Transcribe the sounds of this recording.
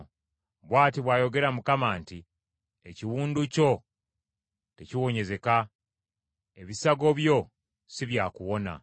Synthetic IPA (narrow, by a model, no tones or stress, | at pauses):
βwaːtiβwaːjo̞ɡe̞ɾamukamaːnti | eciwuːnduco̞ | te̞ciwo̞ɲe̞ze̞ka | eβisaɡo̞βjo̞ | siβjaːkuwo̞na̰